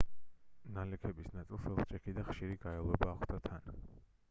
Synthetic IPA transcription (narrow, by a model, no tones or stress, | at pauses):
nalɛkʰɛbisnat̪sʼilˠsɛlˠχt͡ʃʼɛkʰid̪aχʃiɾiɡaɛlˠɛbaːχʰd̪at̪ʰan